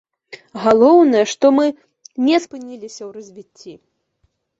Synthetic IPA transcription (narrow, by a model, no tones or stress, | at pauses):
ɣalˠɔwnɐjɛʂt̪ɔmɨ | nʲɛspɨnʲilʲisʲɐwrɐzʲvʲit͡sʲːi